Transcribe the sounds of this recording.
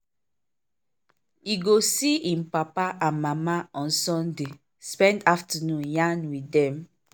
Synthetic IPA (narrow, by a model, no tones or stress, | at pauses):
iɡosiĩmpapaʔãnmamaɔ̃nsɔ̃nde | spɛ̃ndaftənũnjãnwidɛ̃m